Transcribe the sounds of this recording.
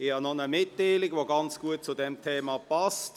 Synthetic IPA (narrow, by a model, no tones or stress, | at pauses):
ɪhɑnɔnəmɪtdeɪlɪɡvoɡɑnt͡sɡ̥uət̚t͡sudɛmtʰeːmapast